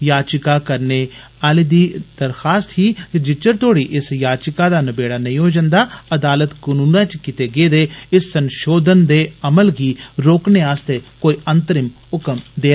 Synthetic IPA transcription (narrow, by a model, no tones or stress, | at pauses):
jaːt͡ʃɪkaːkəɾneː | aːlid̪iːd̪̥əɾxaːst̪ɦiːt̪ed͡ʒɪt͡ʃəɾt̪ʰoːɽiːʔɪsjaːt͡ʃɪkaːd̪aːnəbeːɽaːnəĩɦoːd͡ʒənd̪aːəd̪aːlət̪kənuːnãːt͡ʃkɪt̪eːɡeːd̪eːɪsːənʃoːd̪ənd̪eːəməlɡiːɾoːkneːaːst̪eːkoːiːʔənt̪əɾɪm | ʊkəmd̪eː